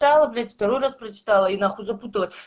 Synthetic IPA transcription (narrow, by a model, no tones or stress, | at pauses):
t̪alˠəblʲatʲft̪ɐɾojrasprɐt͡ʃɪ̥t̪alˠəinaχuzɐput̪ɨlˠəsʲ